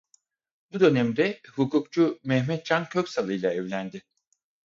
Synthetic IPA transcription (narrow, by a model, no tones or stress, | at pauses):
bud̪ø̞nɛmd̪ɛhukukt͡ʃʰumɛhmɛt̪̚t͡ʃʰancʰøcsalˠɯjlˠaɛvlʲænd̪ɪ